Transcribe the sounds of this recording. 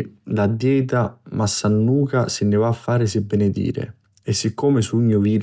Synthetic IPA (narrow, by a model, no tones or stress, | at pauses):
lad̪jɛːt̪̬amasːanːuːkasɪnːɪvaːfːaːɾɪs̬ɪbːenɪd̪ḭːɾɪ̰ | ɪsːɪkːoːmɪsuɲːʊviːɾ